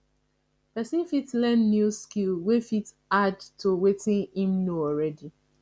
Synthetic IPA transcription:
pɛsĩnfitlɛ̃nːjuskilwefit | adtʰowetĩnĩmnuɔɹɛdi

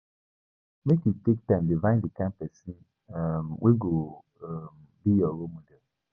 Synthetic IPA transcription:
mekitek̚tãmdivãɪ̃dikampɛsi | mwʔeɡo | m | bijɔɾomodɛl

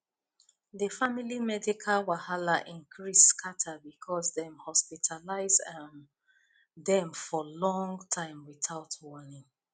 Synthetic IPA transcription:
ðəfamilimɛdikʰalwahalaʔĩnkʰɹiskʰatʰabikʰɔzðɛ̃mhɔspitʰalaɪzan | ðɛ̃mfɔlɔ̃ŋtʰãɪ̃mwiθaʊtwɔnĩŋ

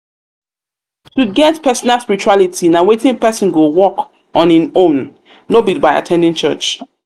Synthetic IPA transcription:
tuɡɛtpɛsɔnalspiɹit͡ʃualitinawetɪ̃ŋpɛsɔ̃nɡowɔk | ɔ̃nĩnõn | lobit̚baɪa̰tʰɛ̃ndĩŋt͡ʃɜ̰t͡ʃ

